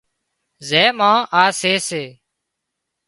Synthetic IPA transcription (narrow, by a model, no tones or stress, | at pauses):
zɛːmãːʔaːseːseː